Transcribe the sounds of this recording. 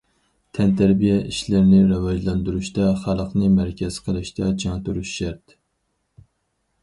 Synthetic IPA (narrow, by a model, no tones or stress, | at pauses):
t̪ʰɛnt̪ʰæɾbijɛʔiʃlɪɾnɪɾɨwɑd͡ʒlˠɑnd̪uɾuʃt̪ɑχɑlˠəqnɨmæɾkʲʰɛz̥qʰəlˠɨʃt̪ʰɛd͡ʒɑŋt̪uɾuʃʃæɾt̪